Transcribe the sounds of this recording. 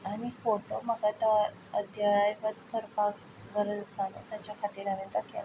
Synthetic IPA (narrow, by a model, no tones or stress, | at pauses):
aɽ̃ifoʈom̤əɡat̪a | əd̪ʱjaɭajpət̪kʰəɾpak | ɡəɾəd̪əsanḛt̪jat͡ɕjakʰat̪iːɾaʋənt̪əkḛl